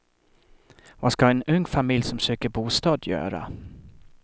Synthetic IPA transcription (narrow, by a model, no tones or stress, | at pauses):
vaskaɛnɵŋːfamɪljsɔmsøːkəɾbuːst̪ɑːd̪jœ̰ːɾa̰